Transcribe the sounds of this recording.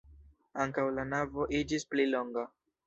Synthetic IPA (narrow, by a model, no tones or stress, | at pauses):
aŋkawlanavo̞ʔid͡ʒisplilo̞ŋɡa